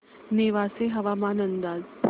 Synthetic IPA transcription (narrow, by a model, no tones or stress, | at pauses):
neʋaːseɦɐʋaːmaːnənd̪aːzp